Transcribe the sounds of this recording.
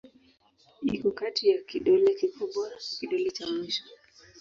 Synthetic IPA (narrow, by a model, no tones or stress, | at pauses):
ikɔkatijakiɗɔlɛkikuɓaɾkiɗɔlɛt͡ʃamiʃɔ̥